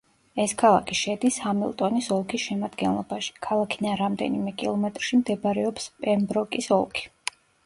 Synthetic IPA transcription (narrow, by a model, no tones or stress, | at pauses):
ɛskʰalˠa̰kʰiʃɛd̪ishamilˠt̪ʼɔnisɔlˠkʰisʃɛmad̪ɡɛnlˠɔbaʃi̥kʰalˠakʰid̪anɾamd̪ɛ̰nimɛkʼilˠɔmɛt̪ʼɾʃimd̪ɛbɾɛɔpspʼɛmbɾɔkʼisɔ̰lˠkʰi̥